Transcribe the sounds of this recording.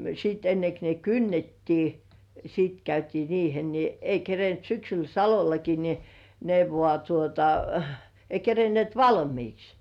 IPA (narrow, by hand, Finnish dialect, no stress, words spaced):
siːt enːek ne kynːetːiː sit kæytiː riːhel ni ei kerent syksyl sɑlolɑki ni ne ʋŏɑˑ tuotɑ ei kerenĭeˑt ʋɑlmiːks